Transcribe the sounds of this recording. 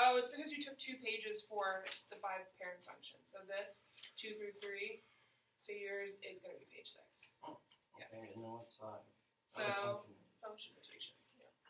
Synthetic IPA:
ɛlˠətsb̥ɨkʌzjɨtʰʊk̚tʰʉpʰeɪd͡ʒɨz̥fə˞ðɨfaɪv̥pʰɛɹɨ̃nfʌ̰̃ŋkʃɨ̰̃nz̥soʊðɪstʰʉθɹʉθɹi | sɪjə˞zɪzɡʌnɨbipʰeɪd̥ʒ̥sɪ̰ks | jæ̰noa | soʊfʌ̃ŋkʃɨ̃n̩ɨtʰḛɪʃɨ̃n | jæ̰

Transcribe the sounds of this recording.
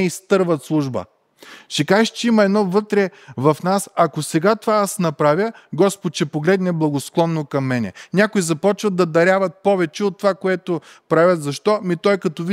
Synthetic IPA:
ɛist̪ɤɾvət̪slˠuʒbə̰ | ʃɛkaʃt͡ʃɛimɐɛd̪nɔvɤt̪ɾɛvɐfnasɐkosɛɡat̪ovaasnɐpɾavʲjəɡɔspot̪ʃɛpoɡlɛd̪nɛblˠɐɡosklˠɔnːokɐmːɛnɛ̰nʲakojizɐpɔt͡ʃvəd̪ːɐd̪ɐɾʲavɐt̪̚pɔvɛt͡ʃɛot̪ːovakoɛt̪o | pɾavʲət̪zɐʃt̪ɔmit̪ɔjkɐt̪ɔv

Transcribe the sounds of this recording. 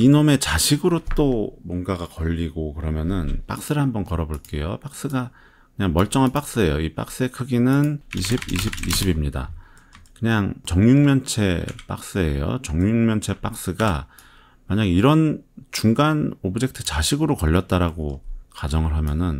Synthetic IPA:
inome̞t͡ɕaɕʰiɡɯɾot͈omwʌnɡaɡakʌʎːiɡokɯɾʌmjʌnɯnp͈a̰k̚s͈ɯɾɯhambʌnkʌɾʌboɭk͈e̞jo̰p͈ak̚s͈ɯɡa | kɯɲaŋmʌɭt͡ɕ͈ʌŋɦanp͈ak̚s͈ɯe̞joip͈a̰k̚s͈ɯekʰɯɡinɯniɕʰibiɕʰibḭɕʰibimɲida̰ | kɯɲaŋt͡ɕʌŋɲuŋmjʌnt͡ɕʰe̞̰p͈a̰k̚s͈ɯe̞̰jo̰t͡ɕʌŋɲuŋmjʌnt͡ɕʰe̞p͈ak̚s͈ɯɡa | maɲaɡiɾʌnt͡ɕuŋɡanobɯd͡ʑe̞k̚tʰɯ̥t͡ɕaɕʰiɡɯɾokʌʎːʌt̚t͈aɾaɡokad͡ʑʌŋɯɭɦamjʌnɯn

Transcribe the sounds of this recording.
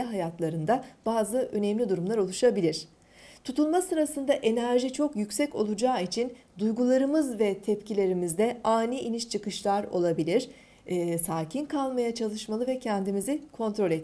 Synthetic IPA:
ɛɦajat̪lˠaɾɯnd̪ab̥aːzɯʔønɛmlʲid̪uɾumlˠaɾo̞lˠuʃabilʲiɾ̝̥ | t̪ʰut̪ʰulˠmasɯɾasɯnd̪aʔe̞næɾʒit͡ʃʰo̞kjycʲsɛco̞̰lˠud͡ʒaːit͡ʃʰind̪ujɡulˠaɾɯmɯzvɛt̪ʰɛpcilʲe̞ɾimizd̪ɛaːniʔiniʃt͡ʃʰɯkɯʃlˠaɾo̞̰lˠabilʲiɾ̥ | saːcʰinkʰalˠmajat͡ʃʰalˠɯʃmalˠɯvɛcʰɛnd̪imizikʰo̞nt̪ɾo̞lʲɛt̪

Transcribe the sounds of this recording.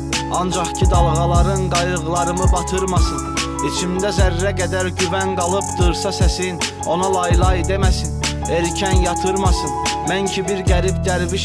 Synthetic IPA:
ɑnd͡ʒɑχcʰid̪ɑlˠʁɑlˠɑɾɯnɡɑjɯʁlˠɑɾɯmɯbɑt̪ʰɯɾmɑsɯn | it͡ʃʰimd̪æzæɾːæɡæd̪æɾɟyvænɡɑlˠɯpd̪ɯɾsɑsæsin | o̞nɑlˠɑjlˠɑjd̪e̞mæsin | eɾcʰænjɑt̪ʰɯɾmɑsɯnmæncʰibiɾɟæɾibɟæɾviʃ

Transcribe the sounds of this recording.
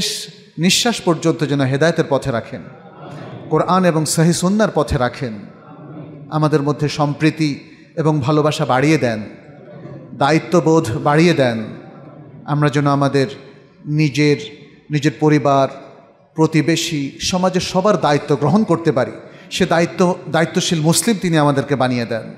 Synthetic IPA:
ʃ | niʃːaʃpoɾd͡ʑont̪od͡ʑɛnoɦed̪aeot̪eɾpɔt̪ʰeɾakʰen | koɾʔaneboŋsəɦisunːaɾpɔt̪ʰeɾakʰen | a̰mad̪eɾmod̪ʱːeʃɔmpɾit̪i | eboŋbʱalobaʃabaɽijed̪ɛn | d̪ait̪ːobod̪ʱbaɽijed̪ɛn | a̰mɾad͡ʑɛnːoamad̪eɾ | nid͡ʑeɾ | nid͡ʑeɾpoɾibaɾ | pɾot̪ibeʃiʃɔmad͡ʑeɾʃɔbaɾd̪ait̪ːoɡɾoɦonkoɾt̪epaɾḭʃed̪ait̪ːod̪ait̪ːoʃilmuslimt̪iniamad̪eɾkebanijed̪ɛn

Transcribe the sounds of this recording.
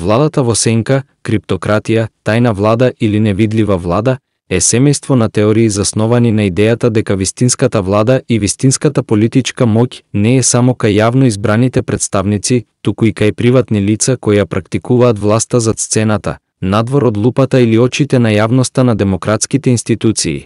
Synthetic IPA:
vlˠad̪at̪avɔsɛŋka | kɾip̚t̪ɔkɾat̪ijat̪ajnavlˠad̪aʔilinɛvid̪livavlˠad̪a | ɛsɛmɛjst̪vɔnat̪ɛɔɾiːzasnɔvaninaid̪ɛjat̪ad̪ɛkavist̪inskat̪avlˠad̪aʔivist̪inskat̪apolit̪it͡ʃkamɔcʲnɛːsamɔkajːavnoizbɾanit̪ɛpɾɛt̪st̪avnit̪sit̪ukuikajpɾivat̪nilit̪sakɔjjapɾakt̪ikuvaːt̪vlˠast̪azat̪st̪sɛnat̪a̰ | nad̪vɔɾod̪lˠupat̪ailiɔt͡ʃit̪ɛnajavnɔst̪anad̪ɛmokɾat̪skit̪ɛinst̪it̪ut̪sḭː

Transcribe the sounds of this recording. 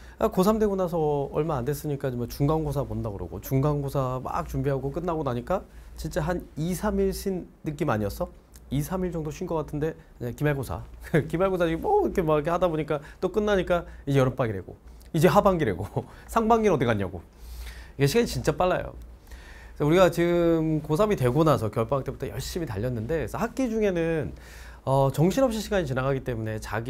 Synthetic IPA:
akosʰamdwe̞ɡonasʰʌʌ̰ɭmaːnde̞s͈ɯɲik͈aimʌt͡ɕuŋɡaŋɡosʰabondaɡɯɾo̰ɡo̰t͡ɕuŋɡaŋɡosʰama̰k̚t͡ɕumbiɦaɡok͈ɯnːaɡonaɲik͈at͡ɕint͡ɕ͈aɦanisʰamiɭɕʰinːɯk͈ima̰ɲiʌs͈ʰʌ | isʰamiɭd͡ʑʌŋdoɕʰɥinɡʌk͈atʰɯnde̞aɲakimaɭɡosʰa̰kkimaɭɡosʰad͡ʑiɡimʌkʰemokʰehadaboɲik͈at͈ok͈ɯnːaɲik͈aid͡ʑejʌɾʌnp͈aɡiɾe̞ɡo̰ | id͡ʑe̞ɦabaŋɡiɾe̞̰ɡosʰaŋbaŋɡinʌdikaɲːa̰ɡo̰ | iɡeɕʰiɡaɲit͡ɕint͡ɕ͈ap͈aɭːa̰jo̰ | sauɾiɡat͡ɕiɡɯmkosʰamite̞ɡonasʰʌkjʌɭp͈aɦak̚t͈e̞butʰʌjʌɭɕ͈imitaʎːʌnːɯnde̞sʰʌhak̚k͈id͡ʑuŋe̞nɯn | ʌt͡ɕʌŋɕʰinɦʌpɕ͈ʰiɕʰiɡaɲit͡ɕinaɡaɡit͈e̞mune̞t͡ɕaɡi

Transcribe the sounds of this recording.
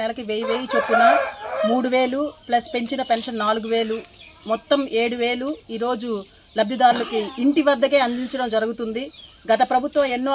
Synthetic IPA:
nɛlɐkiʋejiʋeːjit͡ʃepːunɐmuːɽuʋe̞ːluplɐspe̞ɲt͡ʃinɐpenʂɐnːaːluɡuʋe̞ːlu | mɔt̪ːɐme̞ːɽuʋe̞ːluiːɾo̞ːd͡ʒu | lɐb̪ʱjɐd̪aːɾulɐkiːɳʈiʋɐd̪ːɐke̞ːɐnd̪iɲt͡ʃɐɽɐmd͡ʒɐɾɐɡut̪und̪i | ɡɐt̪ɐpɾɐbʱut̪ʋɐmenːoː

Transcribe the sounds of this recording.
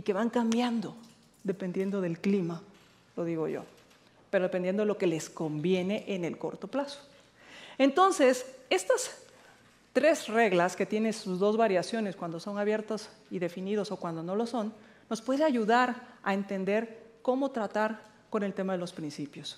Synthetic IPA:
ike̞βaŋkambjand̪o̞ | ðe̞pend̪je̞nd̪o̞ðe̞lklima | lo̞ðiɣo̞̰ʝo̰ | pe̞ɾo̞ðepend̪je̞nd̪oeo̞ke̞le̞sko̞mbje̞ne̞ʔene̞lko̞̰ɾt̪o̞plaso̥ | ent̪o̞nse̞se̞st̪as | t̪ɾe̞sreɣlaske̞t̪je̞nensuzðo̞zβaɾjasjo̞ne̞skwand̪oso̞naβje̞ɾt̪os | iðe̞finið̞o̞so̞kwand̪o̞no̞lo̞so̞nː | o̞spwe̞ðeaʝuðaɾa̰e̞nt̪e̞nd̪e̞ɾkomo̞t̪ɾat̪aɾ | ko̞nelt̪e̞maðe̞lo̞spɾinsipjo̞s

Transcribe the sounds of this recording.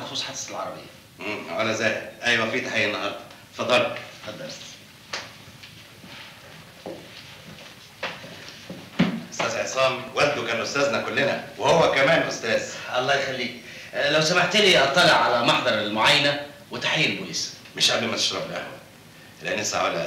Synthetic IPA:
sˤuːsˤħad̪salʕɑɾˤɑbḛjːæ | mːwʕælæzæːjdʔæjwæfiːt̪aħejːenːɑɦɑɾˤd̪ˤɑ | fɑd̪ˤːɑlfɑd̪ˤːɑɾˤt̪ | ʔost̪æːzʕesˤɑːmwælt̪okæːnʔost̪æːznækolːenæ̰wehowːækæmæːnʔost̪æːzʔɑlˤːɑːjexælːiːk | læwsæmaħt̪liːʔɑt̪ˤːɑleʕʕalæmɑħd̪ˤɑɾˤelmoʕajːænæwet̪aħejːælbulis | meʃʕabimæt̪e̥ʃɾˤɑblʔæ̰hwæ | leʔænːsˤa̰ʕa̰læ

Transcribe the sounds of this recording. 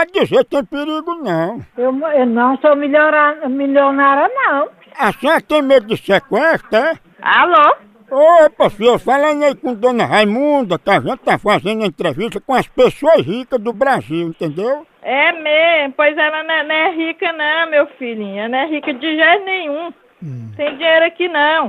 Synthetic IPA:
ad̪iʒet̪ẽj̃pɪɾiɡʊnɐ̃w̃ewmewnɐ̃w̃somiʎɔɾamiʎonaɾɐnɐ̃w̃ | asĩɐt̪ẽj̃mejd̪ɪsekwɛst̪ɐɛ | a̰lo | opɐfiosfalɐ̃j̃aikõd̪õnɐɦajmũd̪ɐkɪaʒẽnt̪̚t̪afazẽnd̪ɐẽnt̪ɾeviʃt̪ɐkõɐspesoɐsɦikɐzd̪ʊbɾaziwẽnt̪ẽnd̪ew | ɛmezmʊpojzɛlɐnɛnɐ̃ɛɦikɐnɐ̃w̃mewfiʎĩɲɐ̃ñɛɦikɐd͡ʒɪʒanẽɲ̃ũ | t̪ẽj̃d͡ʒĩɲejɾʊakinɐ̃w̃

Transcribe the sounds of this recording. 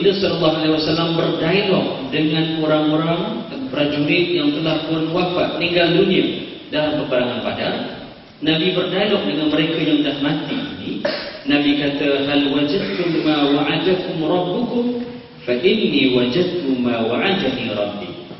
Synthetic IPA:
dasɔnlˤːɑɦalehwasalːambərdailɔk̚dəŋanoɾaŋoɾaŋpɾad͡ʒuɾit̪̚jaŋt̪əlahpuʊnwapaʔniŋɡaldunia | dalabərt̪əɾaŋanpada̰ | nabibərdailɔk̚dəŋanməɾekajaŋdahmãt̪iininabikat̪aɦalwad͡ʒad̪̚t̪ʊmawaʕadakʊmɾɑbːukʊm | faʔɪnːiwad͡ʒad̪̚t̪umawaʕadamiɾˤɑbːḭ

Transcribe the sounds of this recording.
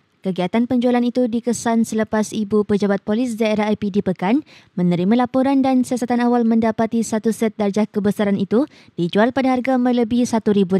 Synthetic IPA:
kəɡiat̪anpəɲd͡ʒualanit̪udikəsansələpasibupəd͡ʒabat̪̚polɪsdaeɾaɦapidipəkanmə̃nəɾimãlapoɾandansiasat̪anawalmə̃ndapat̪isat̪usɛt̪̚dard͡ʒahkəbəsaɾanit̪u | d̥id͡ʒualpadaɦarɡamə̃ləbɪhsat̪uɾibu

